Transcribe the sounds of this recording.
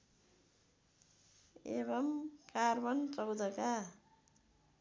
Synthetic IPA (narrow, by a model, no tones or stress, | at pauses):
ḛβʌmkarbʌnt͡sʌwd̪ʌka